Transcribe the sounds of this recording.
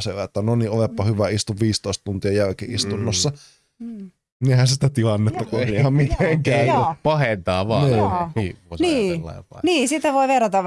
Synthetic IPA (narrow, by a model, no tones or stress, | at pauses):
seʋæet̪ːænoniolepːɑhyʋæist̪uʋʋiːst̪oist̪t̪unt̪iɑjælkiist̪unːosːɑ | nehænsit̪æt̪ilɑnːet̪ːɑkueɑmmit̪eŋkænupɑhent̪ɑːʋɑːniː | niːlːɑ̰iɑ̰niːsit̪ːæʋoiʋerɑt̪ɑʋ